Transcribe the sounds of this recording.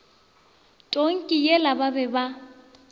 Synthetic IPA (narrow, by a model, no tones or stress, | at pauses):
tʼoŋ̩kʼijelababɛba